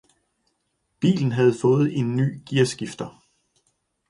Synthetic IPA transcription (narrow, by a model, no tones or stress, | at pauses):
b̥ḭːln̩ɦæð̞̩ˠfɔ̽ːð̞̩ˠe̝nːy̰ːɡ̥iɐ̰sɡ̥ifd̥ɐ